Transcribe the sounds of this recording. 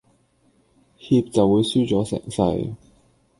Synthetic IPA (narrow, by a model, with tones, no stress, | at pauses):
hiː˧p̚t͡sɐ˨wuː˨˧jsyː˥t͡ʃɔː˨˥sɪ̰˨˩ŋsɐ̰˧j